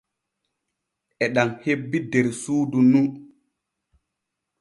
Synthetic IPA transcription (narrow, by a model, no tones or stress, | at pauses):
ʔɛɗaŋhebːidɛɾsuːdunu